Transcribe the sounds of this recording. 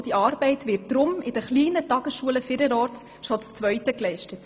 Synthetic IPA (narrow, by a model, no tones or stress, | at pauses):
d̥iɑːɾb̥ɛɪtʋɪrt̚d̥ɾʊmɪd̥əχliːnətɑɡ̥əsʃuələfɪɾəɾɔːtt͡s | ʃɔt͡st͡svœʏtəklɛɪʃtət